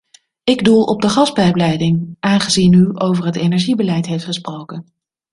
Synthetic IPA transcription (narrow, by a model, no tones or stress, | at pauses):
ɪɡdulˠʔɔb̚dəχɑs̚bɛjblɛjdɪŋʔaːnχəzinyowvəɹɦətejnɛɹʒibəlɛjtɦejftχəsprowkən